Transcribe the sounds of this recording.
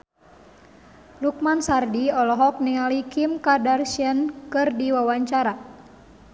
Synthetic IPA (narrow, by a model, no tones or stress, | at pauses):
luk̚mansardiɔlɔɦɔk̚niŋalikimkadarʃiənkɨrdiwawaɲt͡ʃaɾa